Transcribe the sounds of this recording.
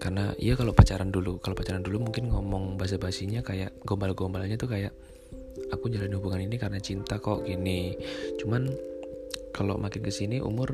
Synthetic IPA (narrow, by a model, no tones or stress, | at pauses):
karna̰ʔḭakalopat͡ʃaɾandulukalopat͡ʃaɾandulumuŋkɪnŋɔmɔŋbaɦas̬abaɦasiɲakajaʔɡombalaɡombalɲat̪ukajaʔ | akud͡ʒaɾanihubuŋaninikaɾənat͡ʃint̪akɔʔkinit͡ʃuman | kalo̰mʔakɪnkəsiniʔṵmʊr